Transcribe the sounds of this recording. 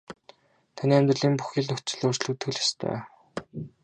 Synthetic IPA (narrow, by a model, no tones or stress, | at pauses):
t̪ʰaniːæmʲt̪rə̆ɮiːmpuxiːɮnɵxt͡ɕɪ̆ɮoːrt͡ɕɮɘ̆kt̪ʰːɵɮḁst̪ʰœ̰ː